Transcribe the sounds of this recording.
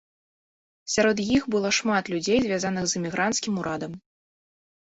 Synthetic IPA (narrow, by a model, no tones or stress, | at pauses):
sʲaɾɔd̪jixbɨlˠɔʂmat̪lʲud͡zʲejzʲvʲazanɨɣzɨmʲiɣɾʔant̪skʲimuɾad̪ɐm